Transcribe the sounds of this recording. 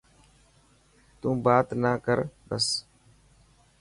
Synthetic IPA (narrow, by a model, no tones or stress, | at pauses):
t̪ũːbaːt̪naːkəɾbəs